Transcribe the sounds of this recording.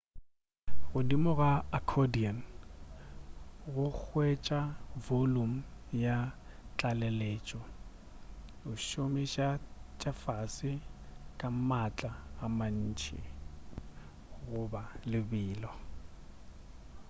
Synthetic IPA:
ɣʊdimɔɣaakʰɔdian | ɣʊk͡xʰwet͡ʃʼavolum̩ja | t͡ɬʼalɛleːt͡ʃʼɔ | ʊʃʊmɪʃat͡ʃʼafasɪkʼamat͡ɬʼaːman̩ːt͡ʃʰɪ̰ | ɣʊbalɪbiːlɔ

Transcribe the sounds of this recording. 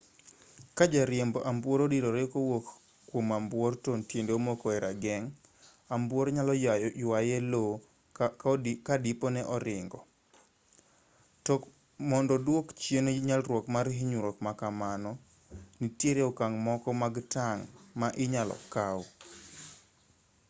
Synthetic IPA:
kad͡ʒaɾjemboʔambwoɾodiɾoɾekowokː | womambwɔrtontjendeomokɔɛɾaɡɛŋ | ambwoɾɲalɔjwajelo | kadɪponɛʔɔɾɪŋɡɔ | tk | mɔndɔdwokt͡ʃjenoɲalɾwɔkmaɾɦiɲuɾokmakamanɔ | nitjeɾeɔkaŋmɔkɔmaɡtaŋmaʔɪɲalɔ̰kaw

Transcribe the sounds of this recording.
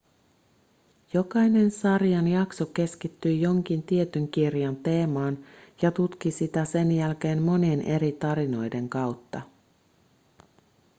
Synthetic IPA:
jo̞kɑjne̞nsɑrjɑnjɑkso̞k̟e̞skit̪ːyjjo̞ŋk̟int̪ie̞t̪yŋk̟irjɑnt̪e̞ːmɑːnjɑt̪ut̪k̟isit̪æse̞njælk̟e̞ːmmo̞nienʔe̞ɾit̪ɑɾino̞jde̞ŋkɑwt̪ːɑ

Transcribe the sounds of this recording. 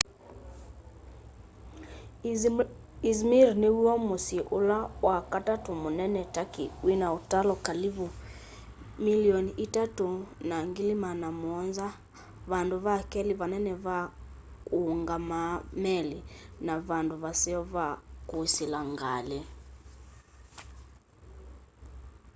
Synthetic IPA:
izmiɾniwiwɔmusiʔulawakatatumunɛnɛtakiwinautalɔkalivu | miliɔniitatunaŋɡilimanamuɔnza | βanduβakɛliβanɛnɛβa | kuːŋɡamamɛlinaβanduβasiɔβakusilaŋɡalɛ

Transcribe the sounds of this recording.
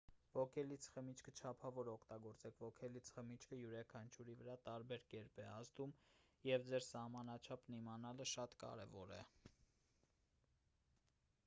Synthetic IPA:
v̥ɔkʰɛlit͡sʰχəmit͡ʃʰkʰət͡ʃʰɑpʰɑvɔɾɔkʰt̪ɑɡɔɾt͡sɛkʰvɔkʰɛlit͡sʰχəmit͡ʃʰkʰəjuɾɑkʰɑnt͡ʃʰuɾivəɾɑt̪ɑɾbɛɾkɛɾpɛɑzd̪umjɛvd͡zɛɾsɑhmɑnɑt͡ʃʰɑpnimɑnɑləʃɑt̪kɑ̰ɾɛ̰vɔɾɛ̰

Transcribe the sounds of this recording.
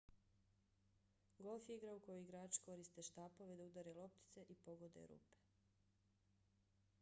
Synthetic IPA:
ɡolfjiɡɾaukojoiɡɾaːt͡ʃko̞ɾist̪eʃt̪aːpo̞ʋed̪aud̪aɾelo̞p̚t̪i̥t̪se̞ʔipo̞ɡo̞d̪ḛɾṵːpe̥

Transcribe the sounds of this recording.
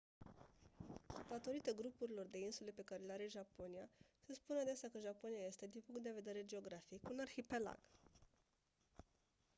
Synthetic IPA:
d̪̥at̪o̞ɾit̪əɡɾupuɾilo̞rd̪e̞insule̞pe̞kaɾe̞leaɾeʒapo̞nijasespunad̪eseakəʒapo̞nijaje̞st̪e̞d̪inpuŋkt̪d̪e̞ve̞d̪e̞ɾe̞d͡ʒe̞o̞ɡɾafikunarxipe̞la̰ɡ̥

